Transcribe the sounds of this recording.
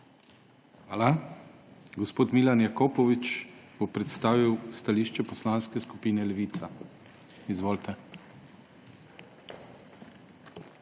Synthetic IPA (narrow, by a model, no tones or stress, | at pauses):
xʋaːla | ɡɔspoːt̪milanjakoːpɔʋit͡ʃb̥opɾɛt̪st̪aːʋiwst̪aliːʃt͡ʃɛpɔslanskɛskupiːnɛlɛʋiːt̪sa | izʋoːlt̪ɛ